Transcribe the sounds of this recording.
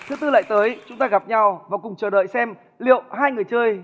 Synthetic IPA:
t̪ʰɨ˨˦t̪ɨ˧la̰ː˧˨jt̪əː˨˦jt͡ɕʊ˨˦ŋ͡mt̪aː˧ɣa˨˩p̚ɲa˧wvaː˨˩kʊ˨˩ŋ͡mt͡ɕəː˨˩ɗə̰ː˧˨jsɛ˧m | lḭ˧˨əwɦaː˧jŋɨ˨˩əjt͡ɕəː˧j

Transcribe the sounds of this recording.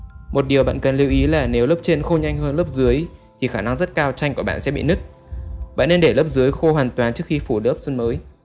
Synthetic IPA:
mo˨˩t̚ɗi˨˩əwɓa̰ː˧˨nkə˨˩nli˧əwʔi˨˦laː˨˩ne˨˦wləː˦˥p̚t͡ɕe˧nxə˧wɲa˧jŋ̟ɦəː˧nləː˦˥p̚zɨ˨˦əjt̪ʰi˨˩xaː˧˩na˧ŋzə˦˥t̚kaː˧wt͡ɕa˧jŋ̟ku˧˩əɓa̰ː˧˨sɛ̰˧˥ɓḭ˧˨nɨ˦˥k̚ | ɓa̰ː˧˨nːe˧nɗe˧˩ləː˦˥p̚zɨ˨˦əjxo˧hwaː˨˩ŋt̪waː˨˦nt͡ɕɨ˦˥ək̚xi˧fu˧˩ləː˦˥p̚zə˧nməː˨˦j

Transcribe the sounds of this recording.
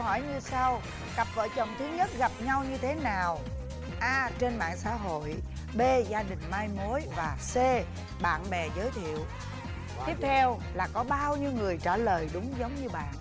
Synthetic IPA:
hɔ˧˩jɲɨ˧sa˧w | ɣa˨˩p̚və̰ː˧˨˩jt͡ɕə˨˩wŋ͡mt̪ʰɨ˨˦ɲə˦˥t̚ɣa˨˩p̚ɲa˧wɲɨ˧t̪ʰe˨˦naː˨˩w | ʔaː˧t͡ɕe˧nɓa̰ː˧˨nsa̰ː˧˥ɦo̰˧˨j | ɓe˧zaː˧ɗï˨˩ŋ̟maː˧jmo˨˦jvaː˨˩se˧ | ɓa̰ː˧˨nɓɛ˨˩zəː˨˦jt̪ʰḭ˧˨əw | t̪i˦˥əp̚t̪ʰɛ˧w | laː˨˩kɔ˨˦ɓaː˧wɲɨ˧wŋɨ˨˩əjt͡ɕaː˧˩ləː˨˩jɗʊ˨˦ŋ͡mzə˨˦wŋ͡mɲɨ˧ɓa̰ː˧˨n

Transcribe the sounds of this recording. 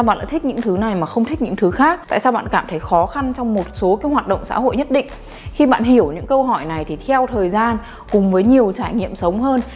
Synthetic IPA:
a˧wɓa̰ː˧˨nɗ̰a̰˧˥t̪i˥k̚ɲɨ̰˧˥ŋt̪ʰɨ˨˦na˨˩jmaː˨˩xə˧wŋ͡mt̪ʰi˦˥k̚ɲɨ̰˧˥ŋt̪ʰɨ˨˦xaː˦˥k̚t̪a̰ː˧˨jsaː˧wɓa̰ː˧˨nkaː˧˩mt̪ʰə˨˦jxɔ˨˦xa˧nt͡ɕɔ˧wŋ͡mmo˨˩t̚so˨˦ka˨˦hwaː˨˩t̚ɗə̰˧˨ŋ͡msa̰ː˧˥ho̰˧˨jɲə˦˥t̚ɗḭ̈˧˨ŋ̟ | xi˧ɓa̰ː˧˨nhi˧˩əwɲɨ̰˧˥ŋkə˧wɦɔ˧˩jna˨˩jt̪ʰi˨˩t̪ʰɛ˧wt̪ʰəː˨˩jzaː˧n | kʊ˨˩ŋ͡mvəː˨˦jɲi˨˩əwt͡ɕaː˧˩jŋḭ˧˨əmsə˨˦wŋ͡mɦəː˧n

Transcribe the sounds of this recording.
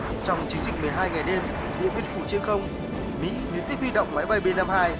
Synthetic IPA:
t͡ɕɔ˧wŋ͡mt͡ɕï˨˦ŋzï˨˩k̟̚mɨ˨˩əjɦaː˧jŋa˨˩jɗe˧m | ɗḭ˧˨ənvi˧nfu˧˩t͡ɕe˧nxə˧wŋ͡m | mḭ˧˥li˨˦nt̪i˦˥k̚wi˧ɗə̰˧˨wŋ͡mmaː˨˦jɓa˧˩jɓe˧nːa˧mhaː˧j

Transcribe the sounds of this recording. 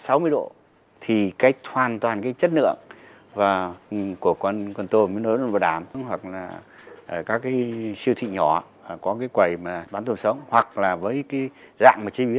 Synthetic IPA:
sa˨˦wmɨ˧əjɗo̰˧˨ | t̪ʰi˨˩kaː˨˦jk̚t̪hwaː˨˩nt̪waː˨˩nkaː˨˦jt͡ɕə˦˥t̚nɨ̰˧˨əŋ | vaː˨˩ku˧˩əkwə˧nkwə˧nt̪o˧mi˧˦no˨˦˧nva˨˩ɗaː˧˩m˨˦hwa˨˩k̚laː˨˩ʔəː˨˩kaː˦˥kːaː˨˦jsi˧wt̪ʰḭ˧˨ɲɔ̰˧˩˧kɔ˨˦kaː˨˦jkwə˨˩jmaː˨˩ɓaː˨˦nt̪o˧nsə˨˦wŋ͡mhwa˨˩k̚laː˨˩vəː˨˦jkaː˨˦jza̰ː˧˨mːaː˨˩t͡ɕi˧ɓi˧˦ən̚

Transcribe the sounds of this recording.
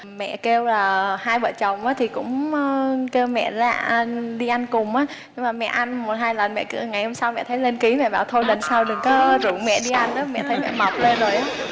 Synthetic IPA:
mɛ̰˧˨ke˧wlaː˨˩haː˧jɓə̰ː˧˨t͡ɕə˨˩wŋ͡mʔaː˨˦t̪ʰi˨˩kʊ̰˧˥ŋ͡m | ke˧wmɛ̰˧˨la̰ː˧˩˨ɗi˧ʔa˧jŋkʊ˨˩ŋ͡mʔaː˨˦ | ɨ˧maː˨˩mɛ̰˧˨ʔa˧jŋmo˨˩t̚ɦaː˧jlə˨˩nmɛ̰˧˨kŋa˨˩jho˧msa˧wmɛ̰˧˨t̪ʰə˨˦jle˧nki˨˦mɛ̰˧˨ɓa̰ː˨˩wt̪ʰo˧jlə˨˧˩nsaː˧wɗɨ˨˩ŋkɔː˨˦zṵ˧˩wmɛ̰˧˨ɗi˧ʔa˧jn̟ʔaː˨˦mɛ̰˧˨t̪ʰə˨˦jmɛ̰˧˨ma˨˩p̚le˧nzo˨˩jʔ

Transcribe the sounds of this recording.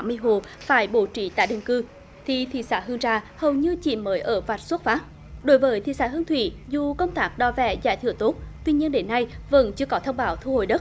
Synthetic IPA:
a˨˦m˧əjɦo˨˩p̚faː˧˩jɓo˧˩t͡ɕi˧˩t̪a̰ː˧˨jɗɨ̰˨˧˩ŋkɨ˧ | t̪ʰi˨˩t̪ʰḭ˧˩saː˧˩ɦɨ˧əŋzaː˧˩hə˨˩wɲɨ˧t͡ɕḭ˧˨məː˨˦jʔəː˧˩va˨˩t̚su˦˥t̚faː˦˥t̚ | ɗo˨˦jvəː˨˦jt̪ʰi˧˨saː˧˩ɦɨ˧əŋt̪ʰwḭ˧˨zu˨˩kə˧wŋ͡mt̪aː˦˥k̚ɗɔ˧˩vɛ̰˧˩zaː˧˩jt̪ʰɨ̰˧˩ət̪o˦˥t̚t̪wi˧ɲi˧ənɗe˨˦nːa˧jvə̰˧˥nt͡ɕɨ˧əkɔ˨˦t̪ʰə˧wŋ͡mɓaː˨˦wt̪ʰu˧ho̰˧˨jɗə˦˥t̚

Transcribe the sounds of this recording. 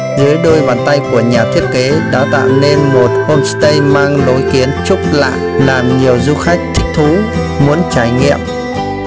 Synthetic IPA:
zɨ˨˦əjɗo˧jɓaː˧˩nt̪a˧jku˧˩əɲaː˨˩t̪ʰi˦˥ət̚ke˨˦ɗa̰ː˧˥t̪a̰ː˧˨wne˧nmo˨˩t̚ho˧nsɨ̥˦˥t̪ə˧jmaː˧ŋlo˨˦jki˨˦ənt͡ɕʊ˦˥k͡p̚la̰ː˧˨jlaː˨˩mɲi˨˩əwzu˧xa˦˥jk̟̚t̪ʰï˦˥k̟̚t̪ʰu˨˦ | mu˨˦ənt͡ɕaː˧˩jŋḭ˧˨əmʔ

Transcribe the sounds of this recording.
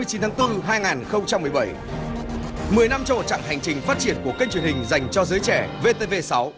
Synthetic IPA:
ɨ˧ət͡ɕi˨˦nt̪ʰaː˨˦ŋt̪ɨ˧ɦaː˧jŋaː˨˩nxə˧wŋ͡mt͡ɕa˧mːɨ˨˩əjɓə˧˩j | mɨ˨˩əjna˧mt͡ɕɔ˧ŋ͡mmo˨˩t̚t͡ɕa̰ː˧˨ɦa˨˩jŋ̟t͡ɕï˨˩ŋ̟faː˦˥t̚t͡ɕi˧˩ənku˧˩əka˧t͡ɕwi˨˩ənhï˨˩ŋ̟za˨˩jŋ̟t͡ɕɔ˧zəː˨˦jt͡ɕɛ˧˩ve˧t̪e˧ve˧sa˨˦w

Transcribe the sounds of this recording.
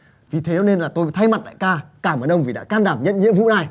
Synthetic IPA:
vi˨˩t̪ʰe˨˦˨ne˧nlaː˨˩t̪o˧jt̪ʰa˧jma˨˩t̚la̰ː˧˨jkaː˧˩kaː˧˩məː˨˩nɗə˧wŋ͡mvi˨˩ɗa̰ː˧˥kaː˧nɗaː˧˩mɲə̰˧˨nɲḭ˧˥əmvṵ˧˥naː˧˩j

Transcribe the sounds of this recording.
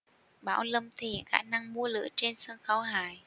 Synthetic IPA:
ɓa̰ː˧˩wlə˧mt̪ʰi˨˩xaː˧˩na˧ŋmu˨˧˦əlɨ̰˧˥ət͡ɕe˧nsɨ˧ŋxə˨˦wɦaː˨˩˨j

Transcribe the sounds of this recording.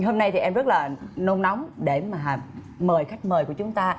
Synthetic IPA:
ho˧mna˧jt̪ʰi˨˩ʔɛ˧mzə˦˥t̚laː˨˩no˧ŋ͡mna˨˦wŋ͡mɗe˧˩maː˨˩ɦa˨˩ | məː˨˩jxa˦˥jk̟̚məː˨˩jku˧˩ət͡ɕʊ˨˦ŋ͡mt̪aː˧

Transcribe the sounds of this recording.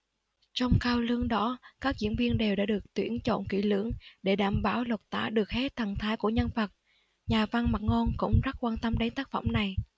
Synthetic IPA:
t͡ɕɔ˧wŋ͡mkaː˧wlɨ˧əŋɗɔ˨˦kaː˦˥k̚zḭ˧˥ənvi˧ənɗe˨˩wɗaː˧˥ɗɨ˨˩ək̚t̪wḭ˧˥ənt͡ɕo̰˧˨nkḭ˧˩lɨ̰˧˥əŋɗe˧˩ɗaː˧˩mɓaː˧˩wlə˨˩wk͡p̚t̪a̰ː˧˩˥ɗɨ˨˩ək̚he˦˥t̚t̪ʰːa˨˩ŋt̪ʰaː˨˦jku˧˩əɲə˧nvə˨˩k̚ | ɲaː˨˩va˧nma˨˩t̚ŋo˧nkʊ̰˧˥ŋ͡mza˦˥t̚kwaː˧nt̪ə˧mɗa˨˦ŋt̪aː˦˥k̚fə̰˧˩wŋ͡mna˨˩j

